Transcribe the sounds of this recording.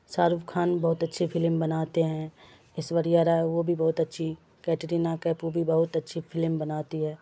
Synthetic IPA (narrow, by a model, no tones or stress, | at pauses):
saːɾupkʰaːnbɐɦʊt̪ɐtːʃʰifʰɪlmbɐnaːt̪eɦɛ̃ | ɪsʋɐɾijaːɾaʋobʱibɔɦʊt̪ɐtːʃʰi | kɛːʈɾiːnakɛːpobʱibɐɦʊt̪ɐtːʃʰifʰɪlmbɐnaːt̪iɦɛː